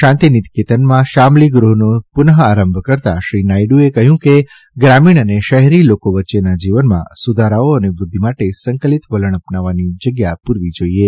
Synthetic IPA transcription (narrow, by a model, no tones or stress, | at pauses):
ʃãnt̪init̪ket̪ənmãʃamliɡɾuɦnopʊnɦəaɾəmbʱkəɾt̪a̰ʃɾinaiɖuekəɦjũke | ɡɾamiɳ̃əneʃəɦɛɾilokoʋətːʃenad͡ʒiʋənmã̰sud̪ʱaɾaoənebʊd̪ʱːimaʈesəŋkəlit̪ʋələɳəpnaʋanid͡ʒəɡjapuɾʋid͡ʒoie